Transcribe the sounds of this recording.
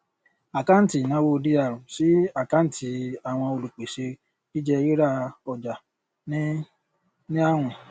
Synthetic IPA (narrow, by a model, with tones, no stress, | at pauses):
a˨ka˦n̩˦ti˦˨nã˨˦wo˦˧di˦a˦˨ɾũ˨si˨˦a˦˨ka˦n̩˦˨tʰi˧a˨w̃ɔ̃˧o˧lu˨k͡pe˨ʃe˧ | ki˦d͡ʒɛ˦˧ji˦ɾa˦ɔ˨d͡ʒa˨ | nĩ˦ | nĩ˦a˦˨w̃ɔ̃˧